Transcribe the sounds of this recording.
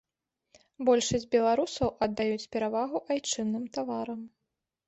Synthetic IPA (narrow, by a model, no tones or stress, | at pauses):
bɔlʲʂɐsʲd͡zʲbʲɛlˠaɾusɐwʔɐd̪ːajut͡sʲpʲɛɾavaɣuʔajt͡ʂɨnːɨmt̪avaɾɐm